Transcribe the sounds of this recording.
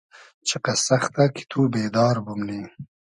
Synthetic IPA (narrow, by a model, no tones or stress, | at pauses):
t͡ʃʰiqasaxt̪aki̥t̪ʰuːbeːd̪ɑːɾbumni